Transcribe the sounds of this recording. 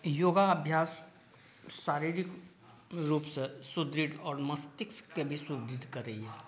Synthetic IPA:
joːɡaɐbʱjaːsː | aːɾiɾik | ɾuːpsesʊd̪ɾid̪ɔːɾmɐst̪ɪkskebʱisʊd̪ɾid̪ʱkəɾəɦiɛː

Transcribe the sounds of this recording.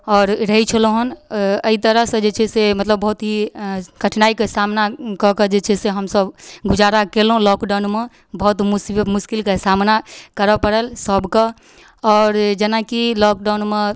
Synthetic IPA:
ɔːɾɾəɦit͡ʃʰəloɦənəit̪əɾəɦsə̃d͡ʒet͡ʃʰɛsemət̪ləbːəɦut̪ɦikəʈʰnaikesamnakɔked͡ʒet͡ʃʰɛseɦəmsəbɡud͡ʒaɾakelɦũlɔkɖaʊnme | bɔɦut̪musimuskilkesamnakəɾəpəɽəlsəbkə | ɔːɾd͡ʒenakilɔk̚ɖaunme

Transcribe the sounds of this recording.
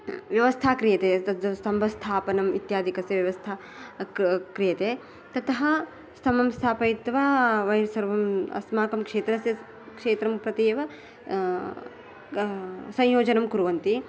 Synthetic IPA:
ʋjɐʋɐst̪ʰaːkɾijɐt̪eːɐd̪ɐst̪ɐmbʱɐst̪ʰaːpɐnɐmit̪jaːd̪ʱikɐsjɐʋjɐʋɐst̪ʰa | kɾijɐt̪eː | t̪ɐt̪ɐɦɐ̆ | st̪ʰɐmɐmst̪ʰaːpɐjit̪ʋaːʋɐjɾsɐɾʋɐmɐ̰smaːkɐmkʂeːt̪ɾɐsjɐ | kʂeːt̪ɾɐmpɾɐt̪iːʋɐ | sɐ̃jjoːd͡ʒɐnɐmkuɾuʋɐnt̪i

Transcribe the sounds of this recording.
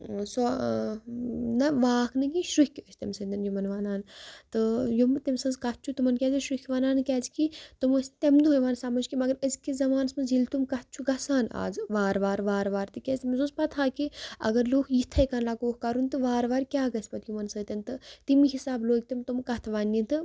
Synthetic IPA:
sɔ | nɐʋaːknɨɡʲiʃɾukʰʲəsʲt̪ɐmsɐnd̪ɐnjumɐnʋaːnaːnt̪ɨjumt̪emsɐnzkɐt̪̚ʰt͡ʃʰut̪umɐnkʲɛːzɐʃɾukʲʰʋaːnaːnkʲɛːzkit̪uməsʲt̪emd̪uɦojʋansamɐd͡ʒkʲimɐɡɐɾəzkizɐmaːnɐsmɐnzilt̪umkɐt̪̚t͡ʃʰuɡɐsaːna̰ːzʋaːɾʋaːɾʋaːɾʋaːɾt̪ɨkʲesʲt̪imɐzuzpɐt̪ʰaːkiɐ̰ɡɐɾloːkʰjit̪ʰɐjkɐnlaːkoːkkɐɾunt̪ɨʋaːɾʋaːɾkʲaːɡɐsʲpɐt̪jumɐnsəːt̪ʲɐnt̪ɨt̪imiɦisaːbloːɡ̚ʲt̪imt̪umkɐt̪ʰʋaːnʲːit̪ɨ

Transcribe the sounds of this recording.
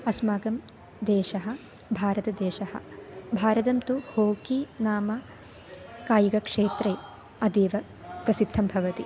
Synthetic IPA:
ɐsmaːɡɐm | d̪eːʃɐɦɐ̆ | bʱaːɾɐt̪ɐd̪eːʃɐhɐ̰̆bʱaːɾɐt̪ɐmt̪uhoːkinaːmɐ | kaːjuɡɐkʂeːt̪ɾeː | ɐd̪eːʋɐ | pɾɐsid̪ʱːɐmbʱɐʋɐt̪i

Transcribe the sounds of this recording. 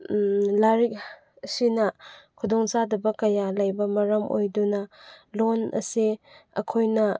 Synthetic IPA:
laɾik̚ | sinɐkʰudɔŋsadɐbɐkɐjalɐjbɐmɐɾɐmo̰jdunɐlonɐ̰siɐ̰kʰojnɐ

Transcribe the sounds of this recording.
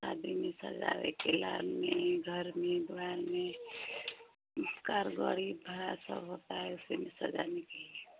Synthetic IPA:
aːd̪ʱimẽsə̰d͡ʒa̰ʋḛkelaːlmẽɡʱəɾmẽd̪ʋaɾmẽ | kaɾɡoɽibʱəɾasə̰bɦoːt̪aɦɛʊsimẽsɐd͡ʒanekeɦi

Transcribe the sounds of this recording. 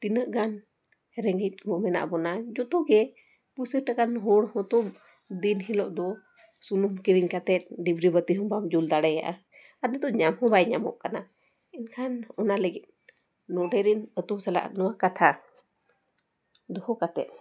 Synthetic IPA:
t̪inəʔɡan | hɛɾɛŋɡit̪̚ˀɡɔmɛna̰ʔbɔnad͡ʒɔt̪ɔɡɛ | pusəɾʈakanɦɔɽhɔ̃t̪ɔm | d̪inɦilɔʔd̪ɔ | sunumkiɾiɲkat̪ɛt̪̚ˀɖibɾibət̪iɦɔmbamd͡ʒuld̪aɽɛja̰ʔa̰ | at̪nɛt̪ɔʔɲamhɔ̃bajɲamɔ̰ʔkana | inkʰanɔnaləɡit̪̚ | nɔɖɛɾinət̪umsɛla̰ʔnɔwakat̪ʰa | d̪ɔhɔkat̪ɛ̰t̪̚

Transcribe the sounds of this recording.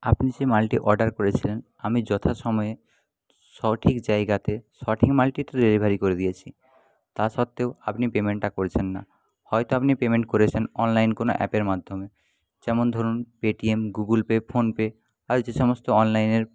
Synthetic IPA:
apnid͡ʑemalʈiʔɔɾɖaɾkoɾet͡ɕʰilen | amid͡ʑɔt̪ʰaʃɔmɔe | ʃɔʈʰikd͡ʑaeɡat̪eʃɔʈʰikmalʈit̪eɾeɾibʱaɾikoɾed̪ijet͡ɕʰi | t̪aʃɔt̪ːeoapnipemeɳʈːakoɾet͡ɕʰenːa̰ | hɔjt̪oapnipemeɳʈ̚koɾet͡ɕʰenɔnlajnkono̰ʔɛ̰peɾmad̪ʱome | d͡ʑɛmond̪ʱoɾunpeʈiemɡuɡulpepʰonpe | aɾd͡ʑeʃɔmost̪oɔnlajneɾ

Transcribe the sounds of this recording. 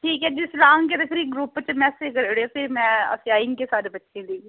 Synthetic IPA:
ʈʰiːkɦɛːd͡ʒɪsɾãːŋɡked̪ɐkʰɾiɡɾupːt͡ʃmɛ̃ːsekəɾɽeopʰɪɾmɛ̃ːə̰sjaːɪŋɡkesaːd̪ebɐtːʃʰẽleː

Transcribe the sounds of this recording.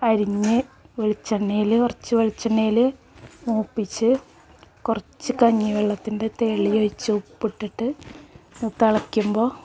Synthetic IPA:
ɐɾiɲːɨʋeɭit͡ɕːɐɳːejilɨkurɐt͡ɕːɨʋeɭit͡ɕːɐnːejilɨ | muːpːit͡ɕːɨ | kurɐt͡ɕːɨkɐɲːiʋeɭːɐt̪ːindet̪eɭːijojt͡ɕːɨupːiʈːiʈːɨ | ut̪ːɐɭɐkʲːumbo̞ː

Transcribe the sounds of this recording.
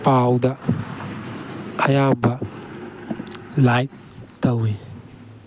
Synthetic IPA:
pawdɐ | jabɐ | lajp̚ | tɐwi

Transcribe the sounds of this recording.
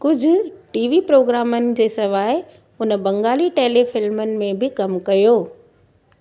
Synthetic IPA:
kʊd͡ʑʱʊ̆ʈiːʋipɾoːɡɾaːmənɪ̆d͡ʑeːsɐʋaːɪ | ʊnəbɐ̃ŋɡaːliʈeːlefɪlmənɪ̆mẽbʱɪkɐmkɐjoː

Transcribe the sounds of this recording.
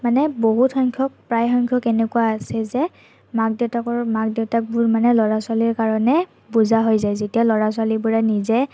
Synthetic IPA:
manɛboɦutxɔŋkʰɔk̚pɹajxɔŋkʰjɔkɛnɛkuaːsɛzɛ | mak̚dɛtakɔɹmak̚dɛtak̚bʊɹmanɛlɔɹaswaliɹkaɹɔnɛ | buzaɦojzajzetialɔɹaswalibʊɹanizɛ

